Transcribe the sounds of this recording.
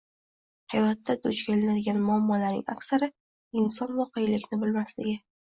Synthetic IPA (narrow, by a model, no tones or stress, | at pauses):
hajɒt̪ʰːad̪ʰʊt͡ʃkʲalanɪlɡʲanmʊamːɒlaɾnɪ̰ŋa̰kʲsaɾɪ | ɪnsɒnvɒqʰejlɪkʲnɪbɪlmaslɪɡʲɪ